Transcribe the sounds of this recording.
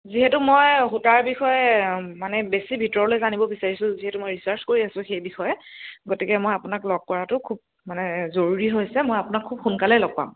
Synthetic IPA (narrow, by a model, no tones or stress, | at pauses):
ziɦɛtʊmojxutaɹbixɔjɛmanɛbesibʱitɔɹɔlojzanibɔbisaɹisʊ̃ziɦɛtumojɹisaɹskoɹiasʊ̃xejbixɔjɛɡotikɛmojapʊnaklɔɡ̚kɔɹatʊkʰub̚ | manɛzoɹuɹiɦojsɛmojapʊnakʰːub̚xunkalɛlɔɡ̚pa̰m